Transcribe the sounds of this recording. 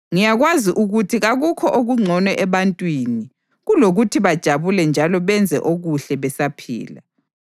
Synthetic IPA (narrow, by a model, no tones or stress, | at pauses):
ŋijaɣwaziʔuɣutʰiɣaɣukʰɔʔoɣuŋ͡ǀʱɔnwɛʔɛβantʼwini | ɣuloɣutʰiβad̥ʒ̥ʱaβulɛnd͡ʒʱalɔβɛnd͡zʱɛ̰ʔoɣuɬɛβɛsapʰḭːla̰